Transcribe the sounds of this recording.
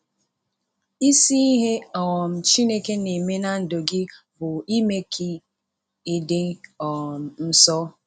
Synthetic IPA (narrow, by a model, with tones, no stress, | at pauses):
i˦si˦i˦ɦe˦ɔ˨ɣɔ˨m̩˨t͡ʃi˦ne˦ke˦ne˨me˦na˦n̩˨do˨ɡɪ˦ | bʊ˨i˦me˦kʰi˦ | e˨de˦ɔ˨m̩˨n̩˦sɔ˦